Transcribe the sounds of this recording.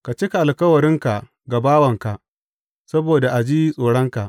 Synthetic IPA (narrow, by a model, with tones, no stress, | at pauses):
ka˨t͡ʃɪ˦ka˨ʔa˨lkɐ˦wɐ˨ɾɪ˦ŋka˨ | ɡa˨baː˦wɐ˨ŋka˨ʔ | sɐ˦boː˨da˨ʔa˨d͡ʒiː˦sʼoː˨ɽɐ˦ŋka˨ʔ